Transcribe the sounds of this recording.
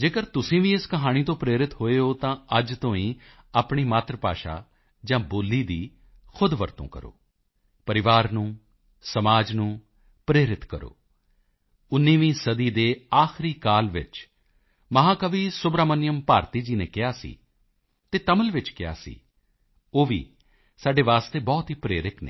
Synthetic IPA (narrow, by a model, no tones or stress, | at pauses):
d͡ʒeːkəɾt̪ʊsĩːʋĩːɪskəɦaːɽ̃iːt̪õːpɾeːɾɪt̪ɦoːeːoːt̪ãːəd͡ʒt̪õːĩː | aːpɳ̃iːmaːt̪ɾəpa̰ːʃa̰ː | d͡ʒãːboːlːiːd̪iː | kʰʊd̪ʋəɾt̪õ̰ːkə̰ɾo̰ː | pəɾɪʋaːɾnũː | səmaːd͡ʒnũː | pɾeːɾɪt̪kəɾo̰ː | ʊnːiːʋĩːsəd̪iːd̪eːaːxɪɾiːkaːlʋɪt͡ʃ | məɦãːkəʋiːsʊbɾaːmənɪjəmpaːɾt̪iːd͡ʒiːneːkɪaːsḭː | t̪eːt̪əməlʋɪt͡ʃkɪja̰ːsḭː | oːʋḭː | saːɖeːʋaːst̪eːbɔːt̪ɦiːpɾeːɾɪknḛ̃ː